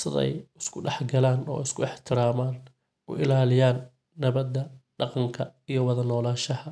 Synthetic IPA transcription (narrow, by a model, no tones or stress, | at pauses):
sɪðɛ̰jɪskʰʊɖɛħɡɐlaːnɔ̰ːɛɪskʰʊɪħt̪ʰɪɾaːmaːn | ʊ̰ʔɪ̰laːlɪjaːnː | ɐβɐd̪ɐɖɑqɑŋkʰɐijɞwɐðɐnɔːlaːʃɐhɐ